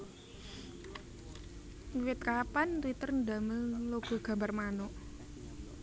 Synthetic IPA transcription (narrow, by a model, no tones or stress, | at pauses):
wɪt̪̚kapant̪wit̪ərnd̪a̤məŋloɡ̥ɔ̤ɡ̥a̤mbarmanʊʔ